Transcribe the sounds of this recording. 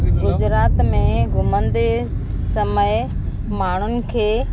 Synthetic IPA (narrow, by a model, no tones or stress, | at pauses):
ɡʊd͡ʑɾaːt̪mẽɡʱʊmə̃nd̪e | sɐməɪ | maːɳ̤ʊnɪ̆kʰeː